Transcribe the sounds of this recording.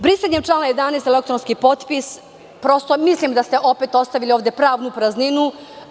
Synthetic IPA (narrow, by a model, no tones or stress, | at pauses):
bɾiseɲemʈ͡ʂlˠaːnajed̪anest̪elek̚t̪ɾonskipo̞t̪pis | pɾo̞st̪o̞mislimd̪ast̪e̞ʔo̞pet̪o̞st̪aʋilioʋd̪e̞pɾaːʋnupɾazninu